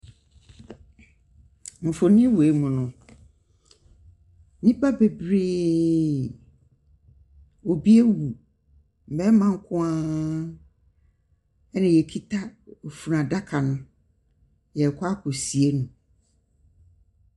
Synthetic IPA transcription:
m̩̃˨fo˨nɪ̃˦we˨mũ˨nʊ̃˨ | nĩ˦pa˦be˨bɾeː˦ | o˨bi˦ɛ˦wu˨ | m̩˨bɛ˦mã˦ŋ̩˦kʰʊ̃˦a˦ | ɛ˦nɪ̃˨jɛ˨kʰi˦tʰa˦o˨fu˨nã˨da˦kʰa˨nʊ̃˨ | jɛ˨kʰɔ˦a˦kʰʊ˨si˨e˦nũ˨

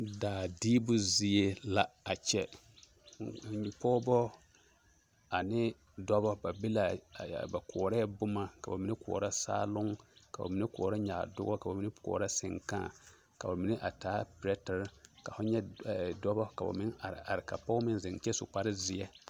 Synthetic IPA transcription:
daː˨diː˦bʊ˦zi˦e˦la˦a˨t͡ʃɛ˦˨ | pɔ˦bɔ˦ | a˨nɪ˦ | dɔ˦bɔ˦ba˨be˦la̰˨ba˨kʰɔː˨ɾɛ˦bʊ˦ma˨ka˨ba˨mi˦nɪ˦kɔ̰ː˨ɾa˦sa̰ː˦lʊ˦ŋka̰˨ba̰˨mi˨˦nɪ˦kɔ̰ː˨ɾa˦ɲa̰˨dʊ̰˦ɡɔ˦ka˨ba˨mi˨˦nɪ˦kɔ̰ː˨ɾa˦sɪ̰˨ŋkã̰˦˨ | ka˨ba˨mi˨nɪ˦ʔa˨taː˨˦pɾɛ˦ta˨ɾka˨fʊ˦ɲɛ˦˨dɔ˦bɔ˦ka˨ba̰˨mɪ˦na˨a˨ɾɪ˨ka˨pɔ˦mɪ˦nzɪ˨ŋt͡ʃɛ˦sʊ˨k͡pa˨ɾɪ˦zɪ˦jɛ˦

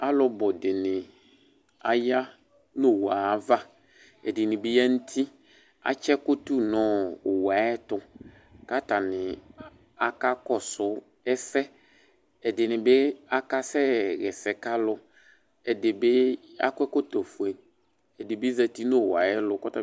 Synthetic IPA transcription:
a˦lʊ˦bɔ˨dɪ˨nɪ˨ | a˨ja˦ | no˦˨wa˨va˦ | ɛ˨dɪ˨nɪ̃˨bɪ˦ja˦n̩˦tʰi˦ | a̰˦t͡ʃɛ˦kʊ˦tu˦nɔ̃˦˨wa˨ɛ˦tʊ˦ | ka˦ta˨nɪ˨ | a˨ka˦kɔ˦sʊ˦ | ɛ˦sɛ˦ | ɛ˨dɪ˨nɪ˨be˦a˦ka˦sɛ˦ɣɛ˨sɛ˨ka˦lʊ˦ | ɛ˨dɪ˨bɪ˦a̰˦kwɛ˦ko˦to˨fʊ˨ɛ˨ | ɛ˨dɪ˨bɪ˦zɛ˨ti˦no˦˨wa˨ɛ˦lʊ˨˦kɔ˦ta˦

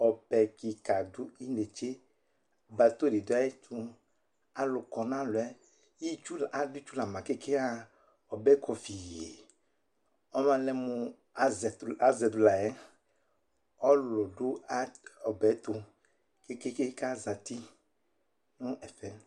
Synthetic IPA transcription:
ɔ˨bɛ˨ki˨ka˨dʊ˦i˦ne˨t͡ʃe˦˨ | ba˨t̪o˦˨di˨da˦e˦t͡ʃu˦ | a˨lʊ˨kɔ˨nã˦lʊ˨ɛ˦ | ji˦t͡ʃu˦la˨dʊ˦t͡ʃu˦la˨mã˨ke˦ke˦a˦ | ɔ˨bɛ˦kʰɔ˨fi˨je˨ | ɔ˦mã˨lɛ˨mu˨˦ | zɛ˨a˦zɛ˨d̪ʊ˨la˨jɛ˦ | ɔ˦lʊ˨dʊ˦a˦ɔ˨bɛ˨˦t̪ʊ˨ | ke˦ke˦ke˦ka˦za˨t̪i˦ | nʊ̃˦ʔɛ˨fɛ˨

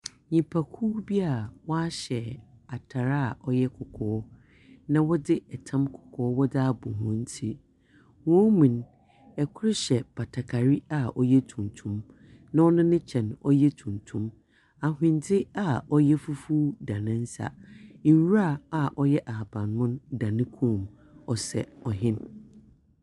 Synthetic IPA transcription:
ɲĩ˨pʰa˨kʰuː˦bi˦a˨wɔ˦a˦ɕɛ˨a˨tʰa˨ɾa˦˨ɔ˦jɛ˦kʰʊ˨kʰɔː˦ | nã˨wɔ˦dɪ˦ɛ˨tʰã˦mkʰʊ̥˨kʰɔː˦wɔ˦da˦bʊ̰̃˨ɦʊ̃˦n˦tʰi˦ | wɔ̃˦mĩ˨n | ɛ˨kʰʊ˦ɾɪ˦ɕɛ˨ba˨tʰa˨kʰa˨ɾi˦a˨ʔɔ˦jɛ˦tʰũ˨n˨tʰũ˦m | nã˦ɔ˦nʊ̃˦nɪ̃˦t͡ɕʰɛ̃˨nɔ̰˦jɛ˦tʰũ˨ntʰũ˦m | a˨ɦɪ̃˨n˦tʰɪ˦a˨ɔ˦jɛ˦fu˦fu˦da˨nɪ̃˦n̩˦sa̰˨i˨wu˦ɾa˦˨a˨ʔɔ˦jɛ˦ʔa˨a˨bã˨nːʊ̃˦nda˨nɪ̃˦kʰũ˦˨m | ɔ˨sɛ̰˨ɔ˨ɦɪ̃˦n

